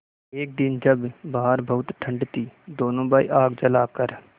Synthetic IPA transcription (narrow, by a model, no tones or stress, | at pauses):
eːk̚d̪ɪnd͡ʒəbbaːɦəɾbʱəʊt̪ʈ̪ʰə̃ɳɖt̪iːd̪oːnõːbaːḭːʔaːɡd͡ʒəlaːkəɾ